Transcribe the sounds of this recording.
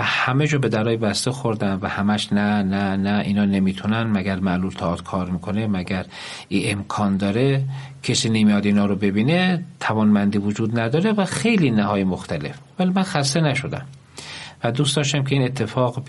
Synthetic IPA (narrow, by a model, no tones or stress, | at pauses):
hæmed͡ʒɒːbe̞d̪æɾɒːjebæst̪exoɾd̪æmvæhæmæʃnænænæḭːnɒːne̞miːt̪ʰunænmæɡæɾmæʔluːlt̪ʰɒːt̪kʰɒːɾmiːkʰonemæɡæɾ | iːʔemkʰɒːnd̪ɒːɾe | cʲʰesiːnemijɒd̪iːnɒːɾobe̞biːnet̪ʰævɒːnmænd̪iːvod͡ʒuːd̪næd̪ɒːɾevæxe̞jliːnæhɒːjemoxt̪ʰæle̞fvælimænxæst̪enæʃo̞d̪æ̰m | væd̪ustd̪ɒːʃt̪æmkʲʰe̞iːne̞t̪ʰːe̞fɒːɣ